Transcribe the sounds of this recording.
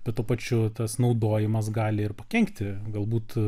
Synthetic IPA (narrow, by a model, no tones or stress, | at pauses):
bʲɛt̪t̪uːpɐt͡ʃʲʊt̪ɐsnɐʊd̪oːjɪmɐs̬ɡɑːlʲɪɪrpɐkʲɛŋkt̪ʲɪɡɐlˠbuːt̪